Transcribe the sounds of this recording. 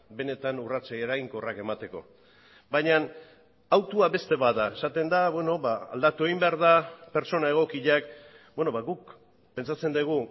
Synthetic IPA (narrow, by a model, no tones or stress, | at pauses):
be̞ne̞t̪anurat͡sajeɾaiŋko̞rake̞mat̪e̞ko̞̰ | bajɲan | awt̪uaβe̞st̪e̞βaðae̞sat̪e̞nd̪aβwe̞no̞βaa̰ld̪at̪ue̞ɣimbeaɾðape̞ɾt͡so̞nae̞ɣ̞o̞kiʎak | bwe̞no̞βaɣuk | pe̞nt͡sat͡se̞nd̪iɣ̞u